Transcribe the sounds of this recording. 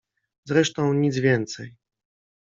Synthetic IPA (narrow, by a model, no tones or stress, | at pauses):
zɾɛʂt̪ɔ̃w̃ɲid̪zvʲjɛnt̪sɛj